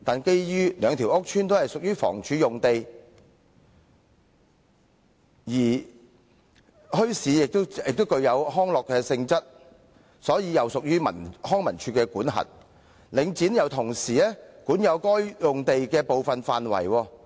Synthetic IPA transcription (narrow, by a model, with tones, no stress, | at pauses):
t̪aː˨nke˥jjyː˥lœː˨˧ŋt̪ʰi˨˩wʔʊ˥k̚t͡ʃʰyː˥nt̪o˥whɐ˨jsʊ˨k̚jyː˥fɔ̰ː˨˩ŋt͡ʃʰyː˨˧jʊ˨ŋt̪e˨j | jiː˨˩ | hɵ˥ɥsiː˨˥jɪ˨k̚t̪o˥ɪ˨k̚t̪o˥wkɵ˧ɥjɐ˨˧wɦɔː˥ŋlɔː˨kːɛː˧sɪ˧ŋt͡sɐ˥t̚ | sɔː˨˥jiː˨˧jɐ˨˧wsʊ˨k̚jyː˥mɐ̰˨˩nhɔː˥ŋmɐ˨˩nt͡ʃʰyː˧kɛː˧kuː˨˥nɦɐ̰˨t̚ | lɪ˨˧ŋt͡siː˨˥njɐ˨wt̪ʰʊ˨˩ŋsiː˨˩ɛː˥kuː˨˥njɐ˨˧wkɔː˥jjʊ˨ŋt̪e˨jkɛː˧po˨wfɐ˨nfaː˨nwɐ̰˨˩jwɔː˧